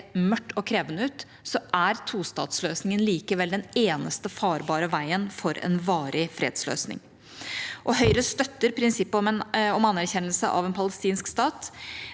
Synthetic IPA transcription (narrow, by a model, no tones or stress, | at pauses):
mœʈːɔkʰɾeːʋənəʉːt̪ | sɔʔæɾt̪ʰuːst̪ɑ̰ːt̪sløːsnɪŋənliːkəʋɛld̪ɛneːnəst̪əfɑːɾbɑːɾəʋæɪənfɔɾɛ̰nʋɑːɾɪfɾḛːd̪slø̰ːsnɪ̰ŋ | ʔɔɦœʏɾəst̪œt̪ːəɾpʰɾɪnsɪpːɔmɑnːæɾçɛnːəlsə̰ʔɑ̰ʋɛnpʰɑləst̪iːnskst̪ɑːt̪